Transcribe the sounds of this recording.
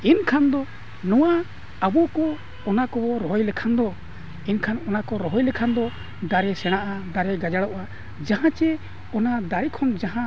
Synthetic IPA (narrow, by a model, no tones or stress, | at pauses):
inkʰand̪ɔ | nɔwa | abɔkɔː | nakɔbɔɾɔɦɔjlɛkʰand̪ɔ | inkʰanɔnakɔɾɔɦɔjlɛkʰand̪ɔ | d̪aɾɛsɛɽ̃aʔad̪aɾɛɡad͡ʒaɽɔʔa | d͡ʒaɦãt͡ʃɛ | ɔnad̪aɾɛkʰɔnd͡ʒaɦã